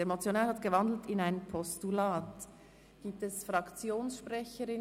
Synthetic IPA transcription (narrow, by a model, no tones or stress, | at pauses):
emot͡sjonaːlhɑtɡ̥əvɑndl̩tɪnaɪnpʰɔstulaːt | ɡ̥iːp̚tɛsfʁɑkt͡sjoːnsʃpʁɛçəɾɪn